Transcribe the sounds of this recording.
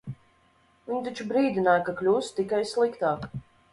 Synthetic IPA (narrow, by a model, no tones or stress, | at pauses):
vʲiɲt̪at͡ʃubɾiːd̪inaːjkaklʲuːst̪t̪ikajslˠikt̪aːk